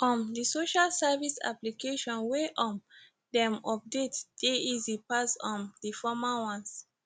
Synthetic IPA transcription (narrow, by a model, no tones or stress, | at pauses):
ʔɔ̃ndisoʃalsɛvisa̰plikeʃɔ̃nweʔɔ̃n | dɛ̃mɔp̚detd̥eizipasɔ̃ndifɔmawãns